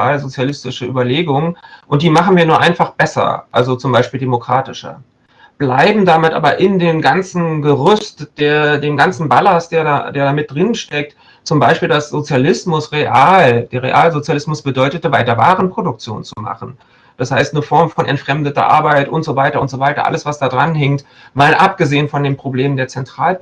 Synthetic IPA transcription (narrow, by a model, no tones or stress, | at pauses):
aːlzot͡sjalɪstɪʃəʔyːbɐleːɡʊŋənʔʊnt̚d̥iːmaχn̩viːɐnuːɐʔaɪnfaχb̥ɛsɐ̰ʔalzot͡sʊmbaɪʃpiːldemokʁ̥aːtɪʃɐ̰ | b̥laɪbm̩damɪtʔa̰ːbɐʔɪndeːmɡant͡sn̩ɡəʁʊstd̥eːɐdeːmɡant͡sn̩balasd̥eːɐda̰deːɐdaːmɪt̚d̥ʁɪnʃtɛk̚t | t͡sʊmbaɪʃpiːldasz̥ot͡sjalɪsmʊsʁeʔaːld̥eːɐʁḛʔaːlzot͡sjalɪsmʊsb̥ədɔʏtətəvaɪtɐvaːʁənpʁ̥odʊk̚t͡sjo̰ːnt͡suma̰χn̩ | d̥ashaɪstnəfɔɐmfɔnʔɛ̰ntfʁ̥ɛmdətɐ̰ʔa̰ɐbaɪtʔʊntz̥ovaɪtɐʔʊntz̥ovaɪtɐ̰ʔa̰ləsv̥asd̥aːdʁanɦɛŋt | maːlʔap̚ɡ̥əzeːənfɔndeːmpʁ̥obleːməndeːɐt͡sɛntʁ̥aːl